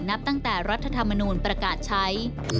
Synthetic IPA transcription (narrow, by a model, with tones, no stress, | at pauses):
na˦˥p̚t̪a˥˩ŋt̪ɛː˨˩ɾa˦˥t̪ʰːa˧t̪ʰa˧mːa˧nuː˧npɾa˧kaː˨˩t̪̚t͡ɕʰa˦˥j